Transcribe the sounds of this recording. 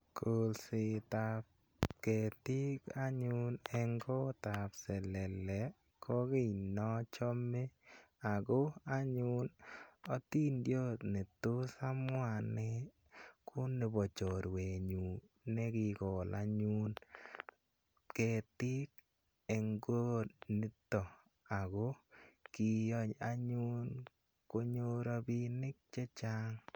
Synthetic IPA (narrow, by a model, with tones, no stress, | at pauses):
kʰo˨lsɪ˨t̪ap | kɛ˨t̪ɪ˦ka˦ɲʊ˦nɛ˦ŋɡɔ˦t̪a˨psɛ˨lɛ˨lɛ˨ | kʰɔ˦ɡɪ˦˨nɔ˦t͡ʃɔ˦me˦ | a˨ɡo˦a˦ɲʊ˦nɔ˦t̪i˦ndjo˦t̪ne˨t̪o˦sa˦mʊ˦a˨nɛ˦ | kʊ˦nɪ˨bɔ˨t͡ʃo˨ɾwe˨ɲu˨ | ne˦kɪ˨ɡɔ˨la̰˨ɲu˦n | ke˨t̪ɪ˦k̚ | e˨ŋɡo˦ni˦tɔ˨ | a˨ɡo˦ki˨jɔ˦ɲa˦ɲu˦n | ko˦ɲo˦ɾo˦bi˦nɪ˦k̚t͡ʃɛ˦t͡ʃa˦ŋ